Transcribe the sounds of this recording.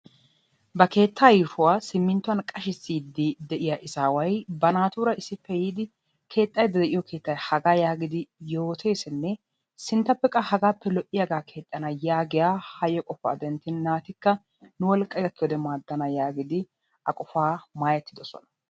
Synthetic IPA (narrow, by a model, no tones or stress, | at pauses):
bɐke̞ːt̪ːaːjɪfʊwaːsɪmːɪnt̪ːʊwɐnkʼɐʃɪsːiːd̪ɪd̪ɛʔɪjaʔɪzaːwɐjbɐnaːt̪uːɾɐɪsːɪpːɛjiːd̪ɪ | kʰe̞ːt̪ʼːɐjd̪ɐd̪ɛʔɪjɔkʰe̞ːt̪ːɐjhɐɡaːjaːɡɪd̪ɪjo̞ːt̪ʰe̞ːsɪnːɛ | sɪnt̪ːɐpːɛkʼːɐhɐɡaːpːɛlɔʔɪjɐɡaːkʰe̞ːt̪ʼːɐnɐjaːɡɪjaːhɐjɔkʼɔfa̰d̪ɛnt̪ːɪnːaːt̪ɪkːɐ | nʊwɔlkʼːɐɡɐkːɪwɔd̪ɛmaːd̪ːɐnɐjaːɡɪd̪ɪ | ʔɐkʼɔfaːmaːjɛt̪ːɪd̪ɔsɔ̰nɐ̥